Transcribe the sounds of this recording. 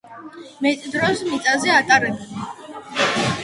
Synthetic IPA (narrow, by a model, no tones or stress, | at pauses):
mɛt̪ʼd̪ɾɔsmit̪sʼazɛat̪ʼaɾɛbɛn